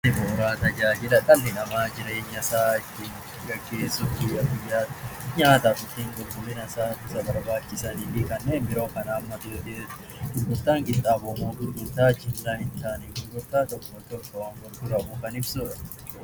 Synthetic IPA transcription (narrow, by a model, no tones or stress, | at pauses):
ɪboːɾaːt̪ɐd͡ʒaːd͡ʒɪlɐkʼɐlːɪnɐmaːd͡ʒɪɾeːɲːɐsaːɪtːɪn | ɡɐɡːe̞ːsʊfɪɐɡɪjːaːɲaːt̪ɐkʊt̪ːiŋɡɔkːʊmɪnɐsaːɪsɐbɐɾbaːt͡ʃːɪsɐniːfɪkɐnːeːnbɪɾo̞ːkɐnaːmːɐt̪ɪd̪ɪ | ɡʊɾɡʊt̪ːaːŋɡɪt̪ʼːaːboːmoːɡʊɾɡʊt̪ːaːt͡ʃːɪnd̪aːhɪnt̪aːniɡʊɾɡʊt̪ːaːt̪ɔkːmɐt̪ːɔkːɐwaːnfɔɾɡʊɾɐmʊkɐnɪbsuːᶑɐ